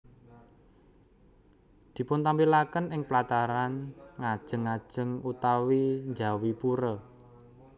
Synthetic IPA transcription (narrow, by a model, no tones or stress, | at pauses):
d̪̥i̤pʊnt̪ampilakənɪŋplat̪aɾanŋad̥ʒ̥ə̤ŋːad̥ʒ̥ə̤ŋut̪awiɲd͡ʒa̤wipuɾə